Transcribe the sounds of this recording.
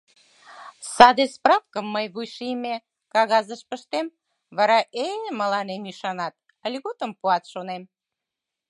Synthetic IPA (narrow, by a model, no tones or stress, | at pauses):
sɑd̪esprɑfkəmːəjβujʃime | kɑɣɑzəʃpəʃt̪em | βɑɾɑʔejəməlɑnemyʃɑnɑt̪̚ | əlʲɣot̪əmpuɑt̪ʃonem